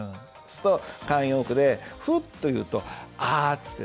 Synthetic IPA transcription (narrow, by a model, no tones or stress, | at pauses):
sɨ̥t̪okãɰ̃joːkɯ̟d̪e̞ɸɯ̟t̪ːo̞jɯ̟ːt̪o̞at͡sɨ̥t̪ːe